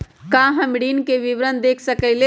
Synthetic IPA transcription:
kãɦəmɽinkeʋiʋɾənd̪eːkʰsəkəɪle

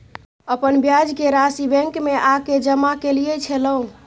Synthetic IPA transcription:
əpənbjad͡ʒkeɾasibɛ̃ŋkmeʔaked͡ʒəmakelijɛt͡ʃʰɛləũ

